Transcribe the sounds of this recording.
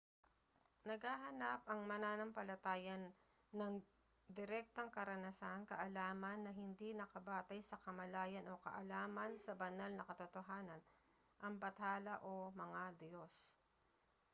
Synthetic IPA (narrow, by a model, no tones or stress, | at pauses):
nɐɡhaɦɐnap̚ʔɐŋmɐnaːnɐmpɐlɐt̪aːjɐnː | ɐŋ | d̪ɪɾɛk̚t̪ɐŋkɐɾɐnɐsankɐʔɐlaːmɐnːɐɦɪnd̪inɐkɐbaːt̪ɐjsɐkɐmɐlaːjɐnʔo̞kɐ̰ʔɐlaːmɐnsɐbɐnalnɐkɐt̪ot̪oɦaːnɐn | ʔɐŋbɐt̪aːlɐʔo̞mɐŋad̪jo̞s